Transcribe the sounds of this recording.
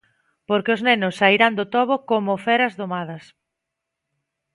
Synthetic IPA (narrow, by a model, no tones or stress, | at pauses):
poɾkeʊznenʊsːaiɾand̪ot̪ɔβokomofɛɾɐzðomað̞ɐs